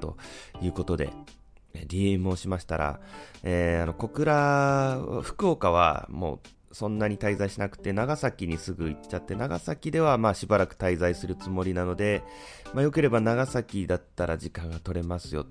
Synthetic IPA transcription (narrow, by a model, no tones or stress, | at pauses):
t̪o̞̰jɯ̟ːko̞t̪o̞d̪e̞̰ | eɾʲiemɯ̟o̞ɕimaɕi̥t̪aɾa̰eːano̞ko̞kɯ̟ɾa | a̰ɸɯ̟̥ko̞ːkaβ̞a̰mo̞̰ː | sõ̞nːaɲ̟it̪aizaiɕinakɯ̟̥t̪e̞naɡasakʲiɲ̟isɨɡɯ̟it͡ɕːat̪ːe̞naɡa̰sakʲid̪e̞β̞amaːɕibaɾakɯ̟̥t̪aizaisɨɾɯ̟t͡sɨmo̞ɾʲinano̞d̪e̞ | majo̞ke̞ɾe̞banaɡasakʲid̪at̪ːaɾaʑikãŋɡat̪o̞ɾe̞masɨjo̞̰t̪